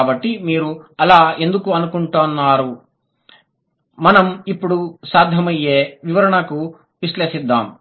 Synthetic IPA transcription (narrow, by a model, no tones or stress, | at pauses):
bɐʈːimiːɾuɐlaːe̞nd̪ukuɐnukuɳʈonːaːɾu | mɐnɐmipːuɽusaːd̪ʱjɐmɐjːeːʋiʋɐɾɐɳɐku | ʋiʃleːʂid̪ːaːm